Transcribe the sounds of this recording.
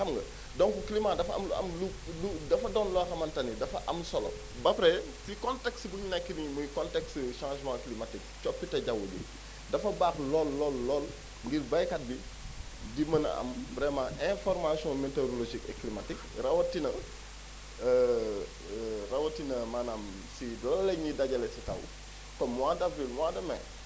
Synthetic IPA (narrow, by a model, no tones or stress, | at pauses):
xɐmŋɡɐ | dɔŋkuklimadɐfɐɐ̰mɐ̰mlu | ludɐfɐdɔːnlɔxɐmɐntɐnidɐfɐʔɐmsɔlɔ̰ | bɐpɾɛ | sikɔntɛksbuɲinakːinimukɔntɛksʃãːʒmãklimatik̚t͡ʃɔpːitɐɟɐwubḭ | dɐfɐbaːklɔːlːɔːlːɔːl | ŋɡirbɐjkɐt̚bi | dimɐnɐ̰ɐ̰mbɾɛmaʔɛ̃fɔɾmasjɔ̃meteɾoloʒikɛ̰klimatikrɐwɐtinɐ | rɐwɐtinɐmanaːm | silɐlːɛɲidɐɟɐlɛsitɐ̰w | kɔmːwaːdɐfilmwaːdɐmɛ̰